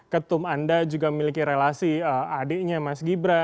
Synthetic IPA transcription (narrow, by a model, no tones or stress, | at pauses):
kət̪ʊmandad͡ʒuɡaməmilikiɾelasiəadɛʔɲamasɡibɾa